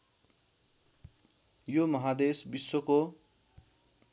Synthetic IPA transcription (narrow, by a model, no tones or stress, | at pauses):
jomʌɦad̪esbiswoko